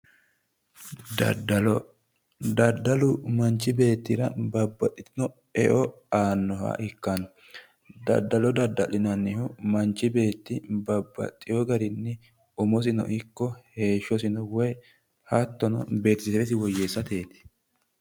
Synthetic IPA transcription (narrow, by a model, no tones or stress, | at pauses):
ddɐlɔ | d̪ɐd̪ːɐlʊmɐnt͡ʃːɪbe̞ːt̪ːɪɾɐbɐbːɐt̪ʼːɪt̪ɪnɔ | ɛʔɔ | aːnːɔhɐ̰ʔɪkːanɔ | d̪ɐ̰d̪ːɐlɔd̪ɐd̪ɐlɪnɐnːɪhʊmɐnt͡ʃːɪbe̞ːt̪ːɪbɐbːɐ̰t̪ʼːɪjɔɡɐɾɪnːɛ | ʊmɔs̬ɪnɔ̰ʔɪkːɔhe̞ːʃːɔsɪnɔwɔj | hɐt̪ːɔnɔ̰be̞ːt̪ɪ̥sɛɾɛsɪwɔjːeːsːɐt̪eːt̪ɪ̥